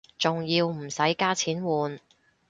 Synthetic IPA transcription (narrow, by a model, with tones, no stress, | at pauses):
t͡sʊ˨ŋjiː˧wm̩˨˩sɐ˨˥jkaː˥t͡sʰiː˨˥nwuː˨n